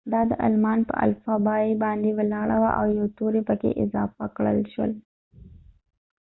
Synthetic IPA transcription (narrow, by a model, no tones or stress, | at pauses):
d̪ɑd̪əʔa̰lmɑnpə̰ʔa̰lfɑbɑibɑnd̪ewəlɑɽawa̰ʔawjawt̪oɾepəkḛʔɪzɑfakɽə̰lʃwə̰l